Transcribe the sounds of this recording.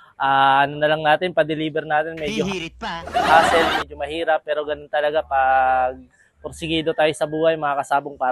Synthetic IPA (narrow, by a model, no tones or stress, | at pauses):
ʔaːʔɐnonɐlɐŋnaːt̪ɪnpɐd̪ɛliːbɛɾnaːt̪ɪnmɛd͡ʒoɐɡpaːsɛlmɛd͡ʒomɐhiːɾɐpːɛːɾo̞ɡɐnont̪ɐlɐɡapɐɡ̚ | poɾsɪɡiːd̪o̞t̪aːjosɐbuːhɐjmɐŋaːkɐsaːboŋpaː